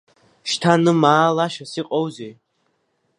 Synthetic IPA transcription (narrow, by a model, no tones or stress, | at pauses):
ʃtʰanɨmaːlaʃasiqʼowzej